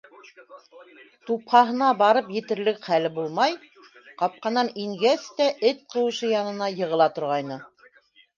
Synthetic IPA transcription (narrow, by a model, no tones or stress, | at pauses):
t̪upχɑɦɤ̆nɑbɑɾɤpjɘ̆t̪ɘ̆ɾlɘkχælɘbulˠmɑj | qɑp̚qɑnɑniŋɡæst̪æʔɘt̪̚qɤ̆wɤ̆ʃɤjɑnɤ̆nɑjɤ̆ʁɤ̆lˠɑt̪ŏɾʁɑjnɤ